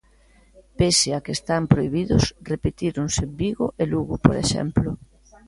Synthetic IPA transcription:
peseakest̪ampɾoiβiðʊsrepet̪iɾunsebiɣo̰ʔeluɣʊpoɾḛʃɛ̰mplʊ

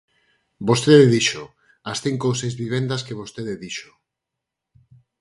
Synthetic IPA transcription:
bost̪eðeðiʃo | asθiŋkowsejzβiβ̞end̪askeβost̪eðeðiʃo̥

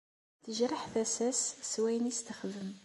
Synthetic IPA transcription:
θəʒɾəħθæsæsːwæjənist̪əχðəm

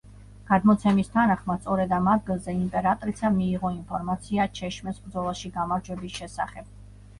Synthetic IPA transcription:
ɡ̥ad̪mɔt̪sʰɛmist̪ʰanaχmat̪sʼɔɾɛd̪amad̪̚ɡilˠzɛimpʼɛɾat̪ʼɾisamiːʁɔinpʰɔɾmat̪sʰiat͡ʃʰɛʃmɛsbɾd̪zɔlˠaʃiɡamaɾd͡ʒwɛbisʃɛsaχɛb̥̚

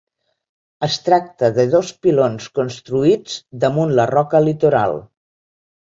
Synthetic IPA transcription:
əst̪ɾak̚t̪əðəðospilonskunst̪ɾuid͡zd̪əmunlərɔkəlit̪uɾa̰lˠ

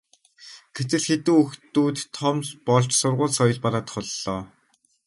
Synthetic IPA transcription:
ɡ̥et͡s̪ɘ̆ɮxet̪uːɵxt̪uːt̪ʰːɔmɮpɔɮt͡ɕsʊrʁʊːɮsɔjɞ̆ɮpaɾaːt̪χʊɮːɔː

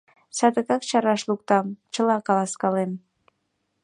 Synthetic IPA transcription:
sɑd̪əkɑk̚t͡ɕɑɾɑʃluk̚t̪ɑmt͡ɕəlɑkɑlɑskɑlem

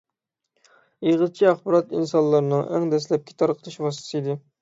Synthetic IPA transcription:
jiʁəzt͡ʃʰiæχbɑɾɑt̪insɑnlːˠɑɾnɨŋʔæ̰ŋd̪ɛslɛp̚kʲʰi̥t̪ʰɑɾqʰə̥t̪ʰɨʃwɑst̪ɨ̥sɨid̪ɪ

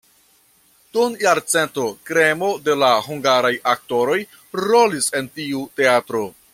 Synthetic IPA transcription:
tunjaɾt͡se̞nto̞kɾe̞mo̞de̞lahuŋɡaɾajak̚to̞ɾo̞j | ɾo̞lise̞ntiute̞atɾo̞

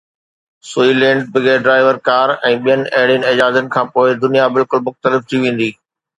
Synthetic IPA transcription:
suːilɛ̃ːɳɖbɪɡeːɖɾaːɪʋəɾkaːɾɛ̃ːɓijənɪ̆ʔɐɦɪɽjənɪ̆ɐd͡ʑaːzənɪ̆kʰãːpoːɪd̪ʊnijabɪlkʊlmʊxt̪əlɪft̪ʰiʋẽːn̆d̪iː

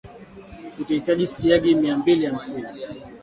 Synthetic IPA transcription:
utaitaʄisiaɡimiambilijam̩sini

